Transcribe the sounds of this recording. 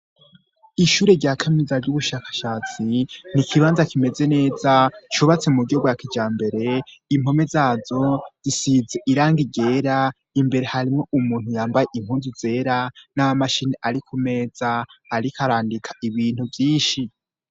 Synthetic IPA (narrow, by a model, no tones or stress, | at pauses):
iʃuːɾe̞ɾɟaːkʰamizaɾɟuβuʃaːkḁʃaːt͡sin̥ikʰiβaːnzakime̞ze̞ne̞ːzat͡ʃuβat͡se̞muɡobɡwakid͡ʒaːmbe̞ɾe̞imho̞me̞zaːzo̞z̥isize̞ʔiɾaːŋɡiɡe̞ːɾa | imbe̞ɾe̞haɾimŋo̞umuːn̥hujaːmbaje̞ʔimhuːnzuze̞ːɾanaamaʃineʔaɾikʰume̞ːz̥aːɾikʰaɾaːndikʰḁʔiβiːn̥huvjiːnʃi